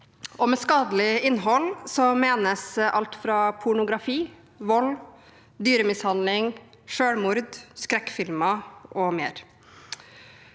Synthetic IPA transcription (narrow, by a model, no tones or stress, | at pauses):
ʔɔmɛskɑːd̪lɪɪnːɦɔlsɔmeːnəsʔɑ̰lt̪fɾɑpʰʊɳʊɡɾɑfiː | ʋɔl | d̪yːɾəmɪshɑnd̪lɪŋ | ʂøːɽmʊɾd̪skɾɛkːfɪlmɑʔɔmeːɾ